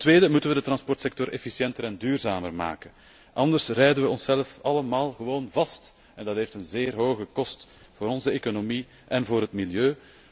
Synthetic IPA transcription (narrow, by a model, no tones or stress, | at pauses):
ttʋeːdəmutənʋədət̪rɑnspɔrtsɛk̚tɔɾʔɛfisjɛntəɾɛndyːrzaːmərma̰ːkən | ʔɑndərsrɛjdənʋəɔnsɛləfɑləmaːlˠɣəʋoːnvɑst | ɛndɑtɦeːftənzeːrɦoːɣəkɔst | voːɾɔnzəeːkonomi | ʔɛnvoːɾɦətmiljøː